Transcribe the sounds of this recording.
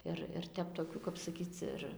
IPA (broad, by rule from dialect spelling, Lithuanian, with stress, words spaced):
ˈɪr ɪr ˈtʲɛp toːˈkʲuː kɐp sɐˈkʲiːt͡s ɪr